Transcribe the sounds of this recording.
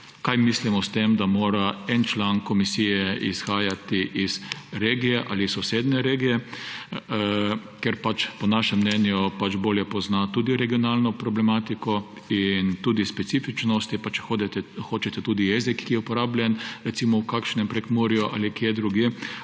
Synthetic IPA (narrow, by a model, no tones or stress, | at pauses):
kajmislimɔst̪emd̪amoːɾaɛnt͡ʃlankɔmisiːjɛḭsxaːjat̪iʔiz̥ɾeːɡijɛʔaːlisːɔseːd̪nɛɾeːɡijɛ | kɛɾpat͡ʃpɔnaʃɛmːnɛnjupat͡ʃboːljɛpɔznat̪uːd̪iɾɛɡiɔnalnɔpɾɔblɛmaːt̪ikɔ | int̪uːd̪ispɛtsiːfit͡ʃnɔst̪ipat͡ʃɛ̥od̪xoːt͡ʃɛt̪ɛt̪uːd̪ijezikːijɛupɔɾaːblʲjɛnɾɛt̪simɔwkakʃnɛmpɾɛkmuɾijɔʔa̰likjɛd̪ɾuɡje